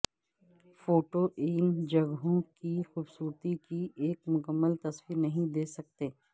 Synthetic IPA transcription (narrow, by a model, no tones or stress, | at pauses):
foːʈoʔɪːnd͡ʒɐɡɦõkixuːbsuːɾt̪ikiʔeːkmʊkəmːəlt̪ɐswiːɾnɐɦĩd̪eːsɐk̚t̪eː